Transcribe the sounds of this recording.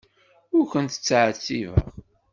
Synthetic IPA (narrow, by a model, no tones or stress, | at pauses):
ʊɾkʷənt̪ə̥t͡sːʕt͡sːivə̰ʁ